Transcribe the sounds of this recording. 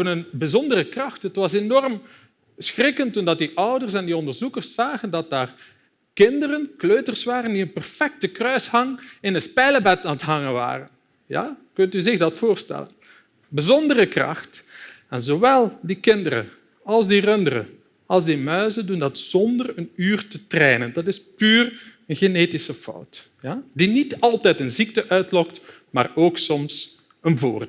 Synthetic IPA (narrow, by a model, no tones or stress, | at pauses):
ənənbəzɔndərəkrɑxtɦətʋɑsenɔrm | sxrɪkəntːundɑt̚diʔʌwdərsɛndiɔndərzukərsːaːɣəndɑt̚daːr | kɪndərənkløːtərsʋaːɾəndiənpɛrfɛk̚təkrœɥshɑŋɪnəspɛjləbɛtaːnətɦɑŋənʋa̰ːrən | ja̰ːkɵntyzɪɣdɑtfoːrstɛ̰lə̰n | bəzɔndərəkrɑ̰xt | ɛnzowɛlˠdikɪndəɾə̰ | ɑlˠzdirɵndərə̰ | ɑlˠzdimœɥzədundɑtsɔndərənyːrtətreːnəndɑtɪspyːrənɣeneːtɪsəfɔ̰wt | jadinitɑlˠtɛtənzik̚təʔœɥtlɔkt | ma̰ːroːksɔms | ənvo̰ːrd